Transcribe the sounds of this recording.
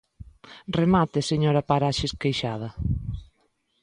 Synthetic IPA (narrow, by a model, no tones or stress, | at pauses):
remat̪ɪseɲoɾɐpaɾaʃɪskejʃað̞ɐ